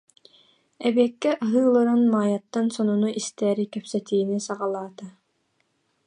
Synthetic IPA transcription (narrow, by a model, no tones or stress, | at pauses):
ɛbɛkːɛʔaɦɯːlˠɯɾanmaːjat̪ːansɔnunuʔist̪ɛːɾikɛpsɛt̪iːnisaʁalˠaːt̪a